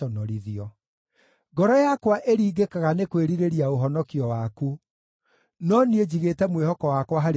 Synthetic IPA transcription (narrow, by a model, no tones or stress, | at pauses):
ɔnɔɾiðiɔ | ɡɔɾɔjakwaʔeɾiːɡekaɣanekweɾiɾeɾiaoɦɔnɔkiɔwaku | nɔnied͡ʑiɣetɛmwehɔkɔwakwaɦaɾ